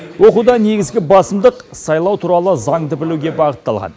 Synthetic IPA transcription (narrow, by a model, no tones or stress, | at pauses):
wo̞qud̪ɑne̞ɡʲɪzɡʲɪbɑsəmd̪əqsɑjlˠɑwt̪ʰuɾɑlˠəzɑɴd̪əbɪluɡʲe̞bɑqət̪ːɑlˠʁɑ̰n